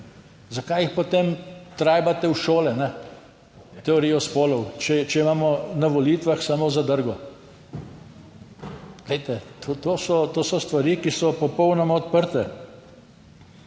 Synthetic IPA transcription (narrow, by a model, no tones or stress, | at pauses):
zakajixpɔt̪eːmt̪ɾaːjbat̪ɛwʃoːlɛnɛ | t̪ɛɔɾijɔspoːlɔwt͡ʃɛt͡ʃɛimaːmɔnaʋɔliːt̪ʋaxsamoːzad̪əɾɡɔ | ɡ̥lɛjt̪ɛt̪ot̪oːsɔt̪oːsɔst̪ʋaɾiːkisɔpɔpɔwnɔmɔɔt̪̚pəɾt̪ɛ